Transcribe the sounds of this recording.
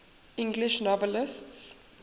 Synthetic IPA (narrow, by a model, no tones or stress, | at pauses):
ɪ̃ŋɡlɪʃnɔvɛlɪsts